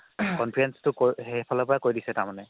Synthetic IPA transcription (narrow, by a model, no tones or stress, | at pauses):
kɔnpʰiɹɛnstʊkoɦepʰalɔpɔɹakoɹjdisɛtaɹmanɛ